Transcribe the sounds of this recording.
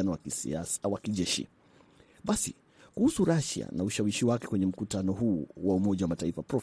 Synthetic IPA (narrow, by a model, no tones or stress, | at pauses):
anɔwa̰awakiʄɛʃḭ | ɓasḭ | kuhusuɾaʃa̰nauʃawiʃiwakɛ̥kwɛɲɛm̩kutanɔɦuːwaumɔʄawamataifapɾɔf